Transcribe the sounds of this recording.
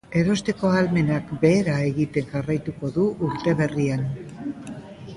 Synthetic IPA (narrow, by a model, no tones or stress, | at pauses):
e̞ɾo̞st̪e̞ko̞alme̞nakbe̞ːɾae̞ɣit̪e̞ŋʝarajt̪uko̞ðuʔuɾt̪e̞βe̞rian